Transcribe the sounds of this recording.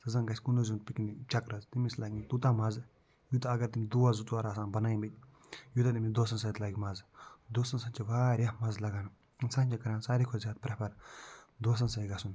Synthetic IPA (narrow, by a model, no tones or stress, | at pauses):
sɐzɐnɡɐsʲkunozunt̪̚piknit͡ʃɐkɾɐzt̪imislaːɡʲt̪ut̪amɐz | jut̪ɐɐɡɐɾt̪imʲid̪uʋazutʋaːɾaːsãːnbɐnaːibit̪̚ʲ | jut̪ɐt̪imid̪oːsɐnsɐt̪laːɡʲimɐzd̪oːsɐnsɐt͡ʃiʋaːɾʲjaːmɐzlɐɡaːn | insɐ̃nʲt͡ʃikɐɾaːnsaːɾikʰozjaːd̪̚pɾɐpʰɐɾd̪oːs̬ɐnsɐiɡasun